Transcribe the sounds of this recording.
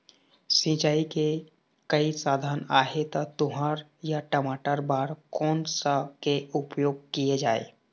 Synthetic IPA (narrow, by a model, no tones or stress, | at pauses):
sĩt͡ʃaːike | kəisaːd̪ʱaːnaːɦet̪ɔt̪ʊɦaɾjaʈəmaːʈəɾbaːɾkɔːnsəkeupjoːɡ̚kijed͡ʒaːḛ